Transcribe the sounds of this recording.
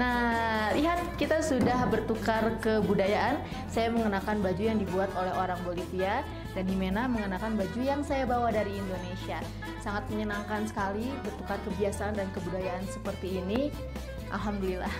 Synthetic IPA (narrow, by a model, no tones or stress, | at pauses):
nahriɦat̪̚kit̪asudahbərt̪ukarkəbudajaʔan | sajaməŋənakanbad͡ʒujaŋdibuat̪olɛhɦoɾaŋbolifia | danhimenaməŋənakanbad͡ʒujaŋsajabawadaɾiːndonesia | saŋat̪̚məɲənaŋkansə̥kalibərt̪ukarkəbiasaːndankəbudajaʔansəpərt̪iːni | ʔa̰lɦamdulilah